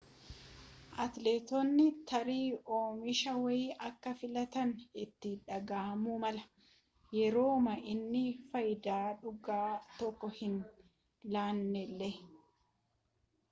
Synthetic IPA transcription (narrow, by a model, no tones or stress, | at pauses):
ʔɐt̪leːt̪ɔnːɪt̪ʰɐɾiːoːmɪʃɐwɐɪʔɐkːɐfɪlɐt̪ɐnɪt̪ːɪᶑɐɡaːmuːmɐlɐ | jɛɾo̞ːmɐʔɪnːɪfɐjd̪aːᶑʊɡaːt̪ɔkːɔhɪn | laːnːɛlːɛ